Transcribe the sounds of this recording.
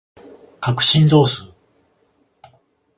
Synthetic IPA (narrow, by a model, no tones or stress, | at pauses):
kakɯ̟̥ɕĩnd͡zo̞ːsɨː